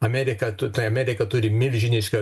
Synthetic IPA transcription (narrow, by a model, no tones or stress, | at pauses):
ɐmʲæːɾʲɪkɐt̪ʊt̪ɐɪɐmʲæːɾʲɪkɐt̪ʊɾʲɪmʲɪlʲʒʲɪnʲɪʃʲkʲɐ